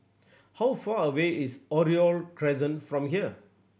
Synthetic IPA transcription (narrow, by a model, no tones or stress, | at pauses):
hawfaəweisɔɾiɔlkɾɛzə̃nfɾɔ̃mɦiə